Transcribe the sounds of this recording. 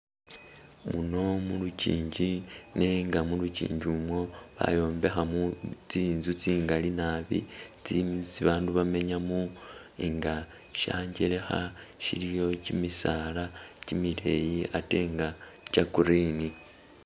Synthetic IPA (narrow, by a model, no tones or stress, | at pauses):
muno̞mulucḭːɲɟine̞ŋɡamulucḭːɲɟiumwo̞βa̰jo̞ːmbe̞xamut͡siːnzut͡siːŋɡalinaβḭt͡sit͡siβaːnduβame̞ɲamuiŋɡa | ʃaːɲɟele̞xaʃilijo̞cimisalacimile̞jiʔate̞ːŋɡacakuɾiːni